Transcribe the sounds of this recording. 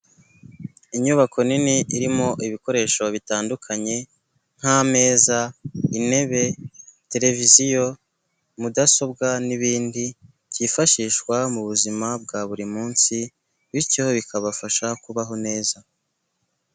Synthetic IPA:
iɲuβakʰo̞niniʔiɾimo̞ʔiβiko̞ɾe̞ːʃo̞βitaːndukʰaɲe̞ | ŋ̥hame̞ːzaine̞βe̞te̞ɾe̞vizijo̞ | mudaso̞bɡaniβiːndi | cifaʃiːʃkwamuβuzimab̚ɡaβuɾimuːnsi | βicioβikʰaβafaʃakuβaɦo̞ne̞ːza

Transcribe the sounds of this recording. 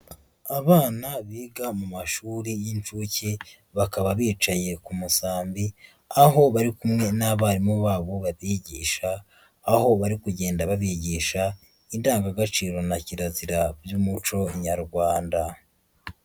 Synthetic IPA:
aβaːnaβiːɡamumaʃuːɾijint͡ʃuce | βakaβaβiːt͡ʃaje̞kumusaːmbi | aɦo̞βaɾikumŋe̞naβaːɾimoβaːβoβaβiɟiːʃaː | ho̞βaɾikuɟe̞ːndaβaβiɟiʃa | indaːŋɡaɡat͡ʃiːɾo̞naciɾaziɾabjuːmut͡ʃo̞ɲaɾɡwaːnda

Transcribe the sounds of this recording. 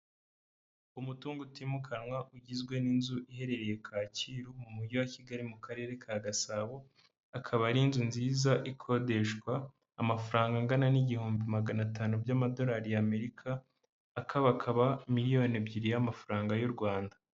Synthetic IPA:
umutuːŋɡutimukʰanwaʔuɟizɡwe̞ninzuʔihe̞ɾe̞ɾe̞je̞kʰaːciɾumumuɟowaciɡaɾimukaɾe̞ːɾe̞kʰaɡasaːβoː | kʰaβaɾinzunziːzaʔikʰo̞de̞ʃkwaː | mafaɾaːŋɡaŋɡananiɟihuːmbimaɡanataːnubɟaːmado̞ɾaːɾijame̞ɾikʰaː | kʰaβakʰaβamiɾijo̞nebɟiɾijamafaɾaːŋɡajuɾɡwaːnda

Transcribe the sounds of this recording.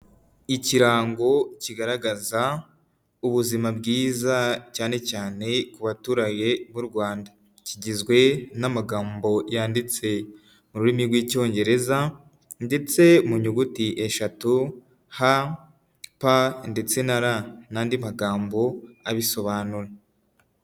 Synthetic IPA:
iciɾaːŋɡo̞ciɡaɾaɡaza | uβuzimabɡiːzacaːne̞caːne̞kuβatuːɾaje̞βuɾɡwaːnda | ciɟizɡwe̞namaɡaːmbo̞jaːndit͡se̞ | muɾuɾimiɾɡwiːco̞ːɲɟe̞ɾe̞za | nde̞t͡se̞muɲuɡutiʔe̞ʃatu | ha | pande̞t͡se̞naɾanaːndimaɡaːmbo̞aβiso̞βaːnuɾe

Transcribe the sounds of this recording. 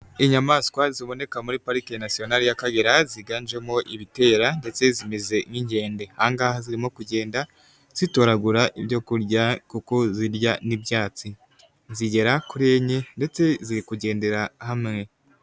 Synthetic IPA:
iɲamaskwaziβo̞ne̞kamuɾipaɾikejanasijo̞naɾijakaɡeɾaziɡaːnd͡ʒe̞moʔiβite̞ːɾande̞t͡se̞zimeze̞ŋiɲɟe̞ːnde̞haːŋɡahaziɾimokuɟe̞ːnda | z̥ito̞ɾaɡuɾaʔiβɟo̞kuɾɟakuko̞ziɾɟanibjaːt͡si | ziɟe̞ɾakuɾe̞ːɲe̞nde̞t͡se̞ziɾikuɟe̞ːnde̞ɾahamŋe̞

